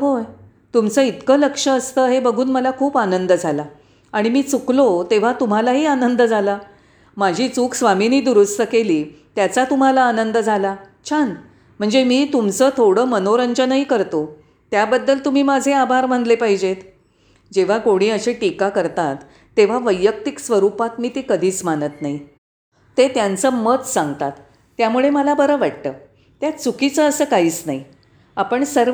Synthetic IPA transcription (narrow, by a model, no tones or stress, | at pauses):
ɦoj | t̪umt͡səːit̪kəːləkʂəːst̪əːɦebəɡʱuːnməlakʰuːpanənd̪əd͡zʱala | aɽ̃imiːt͡suklot̪eʋ̤at̪um̤alaɦiːanənd̪əd͡zʱala | mad͡ʑʱiːt͡suːksʋaminiːd̪uɾust̪əkeliːt̪jat͡sat̪um̤alaːnənd̪əd͡zʱala | t͡ɕʰan | m̤əɳd͡zemiːt̪umt͡səːt̪ʰoɽəːmənoɾəɲd͡ʑənəikəɾt̪o | t̪jabəd̪ːəlt̪um̤iːmad͡zʱeabʱaɾm̤ənd̪lepaɦid͡ʑet̪ | d͡ʑeʋ̤akoɽ̃ĩːəɕeʈikakəɾt̪at̪ː | eʋ̤aʋəjːək̚t̪iksʋəɾupat̪miːt̪ikəd̪ʱiːt͡smanət̪nai | t̪et̪jãnt͡səmət̪sãŋɡt̪at̪ː | jamuɭeməlabəɾəʋaʈt̪əː | t̪jat͡sukit͡səːsəːkaiːt͡snai | apəɳsəɾ